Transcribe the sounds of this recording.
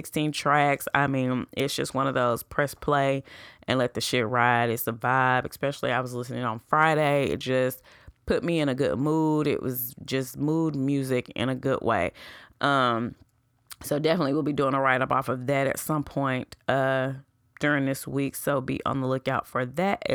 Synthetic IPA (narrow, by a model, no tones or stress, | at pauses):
ɪkstʰĩntʰɹ̥æksa̰ɪmĩnɪtsd̥ʒ̥ʌst̚wʌ̃ñʌvðoʊz̥pʰɹ̥ɛspʰl̥eɪʔɨ̰̃nlɛt̪̚ðɨʃɪt̚ɹaɪɾɨtsə˞vaɪvɨspɛʃl̩ˠiaɪwʌzlɪsnɪ̃ŋə̃n̩fɹaɪɾeɪɪ̰t̚d̥ʒ̥ʌspʰʊt̚miɨ̃ñɨɡʊ̰d̚muɾɪ̰ʔwʔʌzd͡ʒʌsmud̚mjʉzɪkɪ̰̃ñɨɡʊd̚wḛɪʔʌ̃m | soʊdɛfənətˡliwilˠbiduɪ̃ŋəɹaɪɾʌpɔfʌvðɨɾɨ̰tsʌ̃mpʰɔ̃ɪ̃ntʌ | d̥ʊɹɪ̃ŋðɪswiksoʊbḭʔə̰̃nðəlʊkaʊtfə˞ðæt